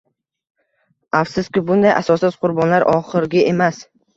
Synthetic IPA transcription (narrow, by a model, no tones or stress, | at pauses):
afsʊskʲɪbʊnd̪ajʔa̰sɒsɪz̥qʰʊɾbɒnlaɾʔɒχɨɾɡʲɪʔemas